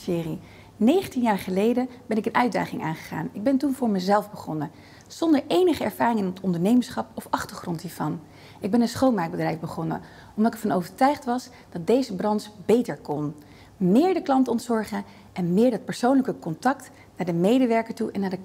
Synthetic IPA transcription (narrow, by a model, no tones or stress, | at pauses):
sɪːri | nejχəntinjaːɹχəlejdəbɛnɪkənʔœɥda̰ːχɪŋʔa̰ːnχə̥χa̰ːnɪɡ̚bɛntunvʊːɹməzɛlˠvbəχɔnə | z̥ɔndəɹʔejnəχəɛɹvaːrɪŋənətɔndəɹnejmənsχɑpɔfɑχtəɹχrɔntɦiːɹvɑn | ɪɡ̚bɛnənsχownmaːk̚bədrɛjvbəχɔnə̰ | ɔmdɑtɛɹfɑnowvəɹtœɥχtʋɑs | d̥ɑt̚dejzəbrɑntsbejtəɹkɔn | mɪːɹdəklɑntɔntsɔɹχə | ʔɛnmɪːɹdɑt̚pɛɹsownləkəkɔntɑk̚t | naːɹdəmejdəʋɛɹkəɹtuʔɛnːaːɹdə